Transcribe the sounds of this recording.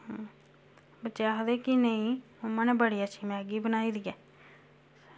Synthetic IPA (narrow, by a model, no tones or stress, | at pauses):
bətːt͡ʃejaɦəd̪eːkineĩː | ʊmə̃neːbəɽijaːt͡ʃʰiːmɛ̃ːɡiːbənaːiːd̪iɛː